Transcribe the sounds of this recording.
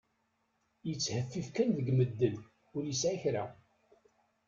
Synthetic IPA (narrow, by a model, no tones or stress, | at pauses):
jət͡sːhəfːifkænðəɡməd̪ːən | ʊɾjəsʕæçɾa